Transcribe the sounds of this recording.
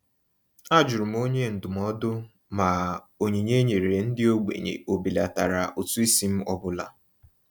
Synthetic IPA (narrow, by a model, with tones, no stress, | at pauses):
a˦d͡ʒʊ˨ɾʊ˨m̩˦o˦ɲe˦n̩˨dʊ˨mɔ˦dʊ˦ | ma˨ | o˨ɲe˨ɲe˦ɲe˨ɾe˨n̩˦dɪ˦o˦ɡ͡bḛ˨ɲḛ˨o˨bi˨la˨ta̰˨ɾa˨ʔo˨tu˦i˦si˦m̩˦ɔ˦bʊ˦la̰˨